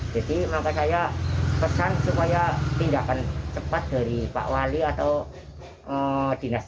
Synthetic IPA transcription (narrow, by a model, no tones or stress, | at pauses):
d͡ʒ̥adimaŋkat͡ʃajapəsansupajat̪indakant͡ʃəpat̪̚d̥a̤ɾipa̰ʔwaliat̪aw | ʔəd̥i̤nas